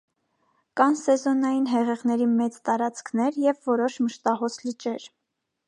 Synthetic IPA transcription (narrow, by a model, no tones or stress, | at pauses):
kɑnsɛzɔnɑjinɦɛʁɛʁn̪ɛɾimɛt͡st̪ɑɾɑt͡skʰnɛɾjɛvːɔɾɔʃməʃt̪ɑɦɔsʰlit͡ʃɛɾ